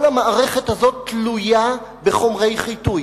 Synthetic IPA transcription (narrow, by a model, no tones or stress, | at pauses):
lamaʔːʁe̞χethazo̞tːluja | beχo̞mʁe̞jχituj